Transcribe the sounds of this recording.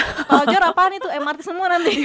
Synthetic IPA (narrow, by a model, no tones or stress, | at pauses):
kaɔd͡ʒɔɾapanit̪uɛmart̪ɪsəmuanant̪i